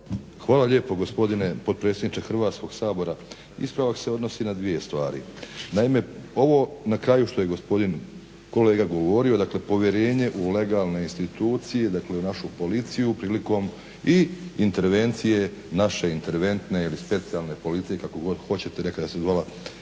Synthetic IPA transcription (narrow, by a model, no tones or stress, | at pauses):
xʋaːlaʎe̞ːpo̞ɡo̞spo̞d̪ine̞po̞d̪̚pɾe̞t̪sed̪nit͡ʃexr̩ʋaːt̪sko̞ɡ̥saːbo̞ɾa | ḭspɾaʋakse̞o̞d̪no̞sinad̪ʋije̞st̪ʋaːɾḭnaime̞o̞ʋo̞nakɾaːjuʃt̪o̞je̞ɡo̞spo̞d̪in | ko̞le̞ːɡaɡo̞ʋo̞ɾio̞d̪akle̞po̞ʋje̞ɾe̞ːɲe̞ʔule̞ɡaːlˠne̞inst̪it̪uːt̪sije̞d̪akle̞unaʃupo̞lit̪sijupɾiːliko̞m | iint̪e̞ɾʋe̞nt̪sije̞naʃe̞int̪e̞ɾʋe̞nt̪ne̞ilispe̞t̪sialˠne̞po̞lit̪sije̞kako̞ɡo̞d̪xo̞t͡ɕe̞t̪ene̞kad̪ast̪ezʋala